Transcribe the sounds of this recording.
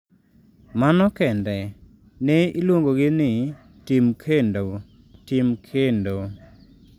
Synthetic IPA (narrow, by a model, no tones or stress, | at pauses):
manɔkɛndɛ | nɛilwoŋɡoɡɪnɪ | timkʰendo | timkʰendo